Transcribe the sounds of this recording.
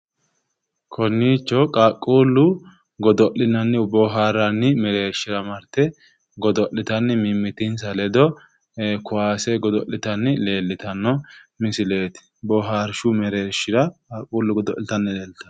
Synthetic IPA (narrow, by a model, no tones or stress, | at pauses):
kʰɔnːiːt͡ʃːɔkʼaːkʼːuːlːʊ | ɡɔd̪ɔʔɪnɐnːɪʊbɔɦaːɾɐnːɪmɛɾe̞ːʃːɪɾɐmɐɾt̪ɛ | ɡɔd̪ɔʔɪt̪ɐnːɪmɪmːɪt̪ɪnsɐlɛd̪ɔ | kʊwaːsɛɡɔd̪ɔʔːɪt̪ɐnːɪle̞ːlːɪt̪ɐnːɔmɪsɪle̞ːt̪ɪ̥ | bɔɦaːɾʃʊmɛɾeːʃːɪɾɐkʼaːkʼːuːlːʊɡɔd̪ɔ̰ʔɪt̪ɐnːɪleːlɪt̪ɐ